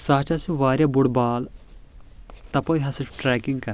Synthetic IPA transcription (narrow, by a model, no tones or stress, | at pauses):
saːt͡ʃasũʋaːɾjaːbʊɽbaːl | t̪ɐpoiɦɐsɐʈɾɛːkɪŋɡkɐɾ